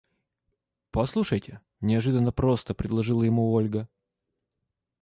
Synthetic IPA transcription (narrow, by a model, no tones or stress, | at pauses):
pɐslˠuʂəjtʲɪ | nʲɪɐʐɨd̪ənːəpɾo̞st̪əpɾʲɪd̪lˠɐʐɨlˠəjɪmuolʲɡə